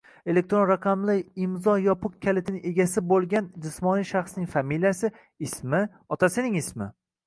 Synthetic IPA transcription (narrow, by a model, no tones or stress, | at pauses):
e̞lek̚t̪ɾonɾaqʰamlɪɪmzɒjɒpʰʊq̚kʲʰːalɪt̪ʰɪnɪʔe̞ɡʲasɪbolˠɡʲand͡ʒɪsmɒnijʃaχsnɪŋfamilijasɪ | ɪsmɪ | ɒt̪ʰasɪnɪŋɪsmɪ